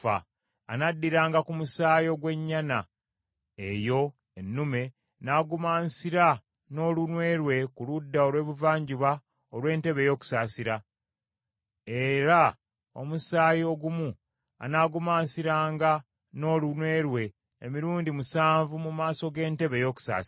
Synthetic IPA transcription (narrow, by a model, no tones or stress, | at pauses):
a | a̰nadːiɾaːŋɡakumusaːjo̞ɡwe̞ɲːana | ejo̞ | enːume̞ | naːɡumaːnsiɾa | no̞lunwe̞ːɾwe̞kuludːaolɾwe̞ːβuvaːɲɟiβa | olwe̞ːnte̞βe̞jo̞ːku̥saːsiɾa | e̞ɾa | o̞̰musaːjoɡumu | a̰naːɡumaːnsiɾaːŋɡa | no̞ːlunwe̞ːɾwe̞ː | miɾuːndimusaːɱvumumaːso̞ɡe̞ːnte̞βe̞jo̞ːku̥sa̰ːs